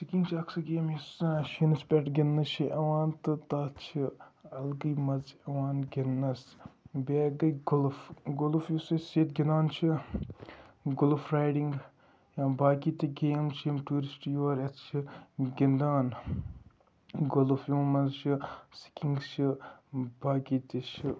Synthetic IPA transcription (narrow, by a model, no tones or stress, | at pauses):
sikʲiŋɡt͡ʃʰiɐksɨɡʲeːmjisaʃinɨspʲeʈɡʲenːɐt͡ʃʰiʔɐwaːnt̪ɨt̪ɐt͡ʃʰiɐlɡɨjmɐzɐwaːnɡenːɐsbʲeːɡɐjɡolfɡolfjusɐseːt̪̚ɡʲind̪aːnt͡ʃʰi | ɡolfɾaːjɖiŋɡ | jãːbaːkit̪iɡeːmt͡ʃʰimʈuːɾisʈjoːɾɐt̪t͡ʃʰiɡʲind̪aːn | ɡolfjuːmɐzt͡ʃʰisi̥kʲiŋɡt͡ʃʰibaːkit̪it͡ʃʰi